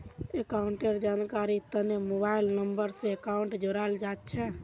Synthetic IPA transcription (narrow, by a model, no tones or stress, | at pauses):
ekauɳʈeɾd͡ʒankaɾit̪ənemobailnəmbəɾsẽekauɳʈd͡ʒoɾald͡ʒat̪t͡ʃʰɛ